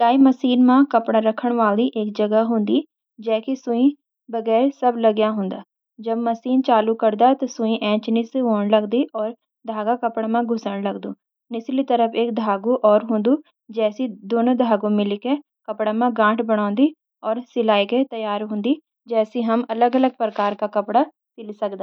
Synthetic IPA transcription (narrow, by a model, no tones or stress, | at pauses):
taːiməsiːnmãːkəpɽaɾəkʰːəɽ̃ʋaːld̪iʔeːk̚d͡ʒəɡəɦʊ̃nd̪iː | d͡ʒɛːkisʊĩ | bəɡɛːɾsəbləɡjaːɦʊ̃ːnd̪aː | d͡ʒəbməsiːnt͡ʃaːlukəɾd̪aːt̪ɐsʊ̃ĩʔɛ̃ːt͡ʃniseɦoːɳləɡd̪iːʔɔːɾ | d̪ʱaːɡakəpɽaːmãɡʱʊsəɳləɡd̪uː | nɪslit̪əɾəfʰeːk̚d̪ʱaːɡuʔɔːɾɦõːnd̪u | d͡ʒɛːsid̪oːnõd̪ʱaːɡõmɪlike | kɐpɽamãɡãːʈbəɽ̃ãːnd̪i | ɔːɾsɪlaːiket̪ɐjaːɾɦõːnd̪i | d͡ʒɛːsiɦɐmɐləɡələɡ̚pɾəkaːɾkakɐpɽa | sɪlsɐkd̪aː